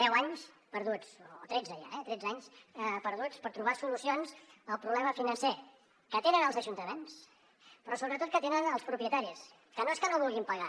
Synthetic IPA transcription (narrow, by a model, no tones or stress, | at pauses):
d̪ɛwaɲs | pəɾðut͡sːt̪ɾɛd͡zəʒa̰ɛt̪ɾɛd͡zaɲspəɾðut͡spəɾt̪ɾuβ̞asulusionzəlˠpɾuβlɛməfinənse | kət̪enənəlˠzəʒunt̪əmens | pɾɔsoβɾət̪ot̪̚kət̪enənəlˠspɾupɾjət̪aɾis | kənoeskənoβulˠɣimpəɣa